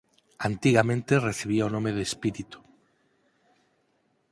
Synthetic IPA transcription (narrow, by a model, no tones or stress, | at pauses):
ant̪iɣamẽnt̪ereθiβiaonõmeðespiɾit̪u̥